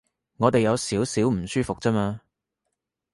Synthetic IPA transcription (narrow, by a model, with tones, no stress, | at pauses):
ŋɔː˨˧t̪e˨jɐ˨˧wsiː˨˥wsiː˨˥wm̩˨˩syː˥fʊ˨k̚t͡sɐ˥maː˧